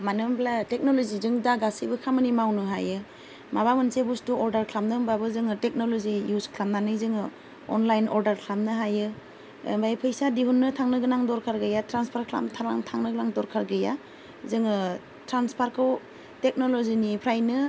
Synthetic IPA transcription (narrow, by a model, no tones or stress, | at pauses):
manɯmbʰlatek̚nolozizɯŋdaɡasibɯkʰamɯnimawnɯɦa̰jɯ | maβamɯnsebustuɔɾdaɾkʰlamnɯmbabɯzɯŋɯtek̚nolozijuskʰlamnanɯjzɯŋɯ | ɔ̰nlajnɔɾdaɾkʰlamnɯɦajɯ | mbajpʰɯjsadihunːɯtʰaŋnɯɡɯnaŋdɔɾkʰaɾɡɯjatɾanspʰaɾkʰla̰mtʰala̰ŋtʰaŋnɯɡɯnaŋdɔɾkʰaɾɡɯja | zɯŋɯ | tɾanspʰaɾkʰɯw | tek̚nolozinipʰɾajnɯ